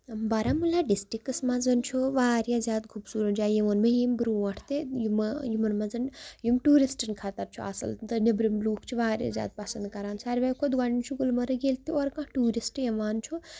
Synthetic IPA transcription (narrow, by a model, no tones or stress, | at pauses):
mbɐɾamulaɖisʈɾikɨsmãzɐnt͡ʃʰuʋaːɾjazjaːd̪kʰubsuːɾɐd͡ʒaːjimonmẽjimbɾuːʋɐʈʰt̪ejumjimɐnmãzɨnjumʈuːɾisʈɨnkʰɐt̪ɐɾt͡ʃʰuɐ̰sɐ̰lt̪ɨnibɾimluːkʰt͡ʃʰiʋaːɾja̰zja̰ːd̪̚pɐsɐnd̪̚kɐɾaːnsaːɾʲʋakʰod̪ɡɐɽint͡ʃʰuɡulmɐɾɨɡelt̪iɔːɾkãːʈuːɾisʈjɐʋaːnt͡ʃʰu